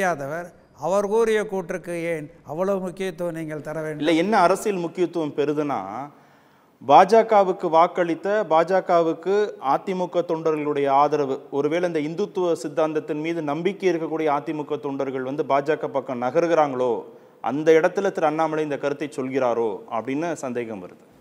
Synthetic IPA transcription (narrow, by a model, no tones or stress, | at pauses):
jaːðɐʋɐɾ | ɐʋɐɾɣoːɾɪjɐkoːʈɾɯkːɯeːnɐʋːɐɭɐʋɯmʊkːɪjɐt̪ːɯʋɐniːŋɡɐɭt̪ɐɾɐʋeːɳɖɪlːɐɛnːɐːɾɐsɪjɪlmʊkːɪjɐt̪ːɯʋɐmpɛɾɯðɯna̰ː | baːd͡ʒaːkaːʋɯkːɯʋaːkːɐɭɪt̪ːɐbaːd͡ʒaːkaːʋɯkːɯaːt̪ːɪmʊkːɐt̪ːɔɳɖɐɾɣɐɐɭɯɽɐjɐaːðɐɾɐʋɯɔɾɯʋeːɭɐnd̪ɐɪnd̪ɯt̪ːɯʋɐsɪd̪ːaːnd̪ɐt̪ːɪnmiːðɯnɐmbɪkːɛɪɾɯkːɐkːuːɽɪjɐaːt̪ːɪmʊkːɐt̪ːɔɳɖɐɾɣɐɭʋɐnd̪ɯbaːd͡ʒaːkɐpːɐkːɐmnɐɣɐɾɯɣɪɾaːŋɡɐɭoː | ʔɐ̰nd̪ɐɪɽɐt̪ːɪlɐt̪ːɯlɐnːaːmɐlɐɪnd̪ɐkɐɾɯt̪ːɐɪt͡ʃɔlɣɪɾaːɾoːɐ̰pːɐɽɪnːɯsɐnd̪eːɣɐmʋɐ̰ɾɯðɯ